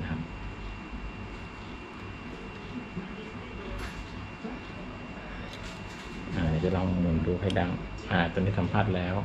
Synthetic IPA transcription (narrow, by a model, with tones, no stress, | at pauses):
kʰa˦˥p̚ | ʔaː˧˩˨naː˧˩t͡ɕa˧˩lɔː˧ŋ˧mu˨˩nduː˧kʰa˧˥˩jda˧ŋ | ʔaː˧˩t̪o˧niː˥˩sa˨˦mpʰaː˥˩t̪̚lɛː˦˥w